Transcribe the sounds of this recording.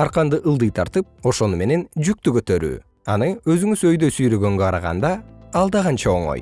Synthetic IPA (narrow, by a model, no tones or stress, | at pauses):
ɑɾqɑnd̪ɯʔɯlˠd̪ɯjt̪ʰɑɾt̪ɯp̚o̞ʃo̞nume̞ne̞nd͡ʒyk̚t̪ykø̞t̪ø̞ɾy̰ː | ɑ̰nɯø̞zyŋyszø̞jd̪ø̞syjlø̞ɡø̞ŋɡøqʰɑɾɑʁɑ̰nd̪ɑːlˠd̪ɑʁɑnt͡ʃɑo̞̰ɴo̰j